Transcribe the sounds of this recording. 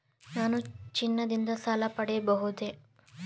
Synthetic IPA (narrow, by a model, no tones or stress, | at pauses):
naːnut͡ʃinːɐd̪ind̪ɐsaːlɐpɐɽɛjɐbɐɦud̪e